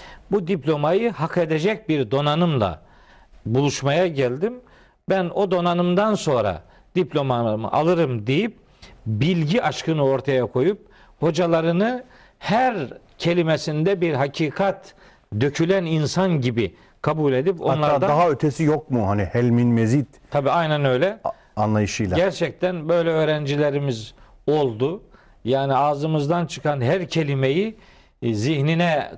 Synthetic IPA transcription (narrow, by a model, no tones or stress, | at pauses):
bud̪iplʲo̞majɯhakʰe̞d̪ed͡ʒɛc̚biɾd̪o̞nanɯmlˠa̰ | bulˠuʃmajaɟælʲd̪im | bæno̞d̪o̞nanɯmd̪anso̞nɾa̰ | d̪iplʲo̞mamɯ̰ʔa̰lˠɯɾɯmd̪ejip̚ | bilʲɟiʔaʃkɯnɯo̞ɾt̪ʰajakʰo̞jup̚ | ho̞d͡ʒalˠaɾɯnɯ | hæɾ | cʰe̞lʲimesind̪ɛbiɾɦacʰiːkʰat̪ | d̪øcʰylʲæninsanɟibi | kʰabuːlʲe̞d̪iponlˠaɾad̪adaɦaøt̪ʰesijok̚muhanihɛlʲminmezit̪t̪ʰabiːajnænø̞jlʲɛ | anlˠajɯʃɯjlˠaɟæɾt͡ʃʰɛc̚t̪ʰænbø̞jlʲɛøːɾænd͡ʒilʲeɾimizo̞lˠd̪u | jaːniaːzɯmɯzd̪ant͡ʃʰɯkʰanɦæɾcʰe̞lʲimeji | zihninɛ